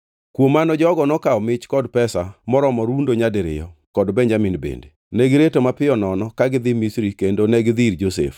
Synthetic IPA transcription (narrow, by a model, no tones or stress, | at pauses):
kwomanɔd͡ʒɔɡɔnɔkaɔmɪt͡ʃkɔdpɛsamɔɾɔmɔɾundoɲadɪɾɪ̰jɔkɔdbɛɲd͡ʒamɪnbḛnde | nɛɡɪɾetomapɪjɔnɔnɔkaɡɪd̪ɪmisɾikendonɛɡɪd̪iɾd͡ʒosḛf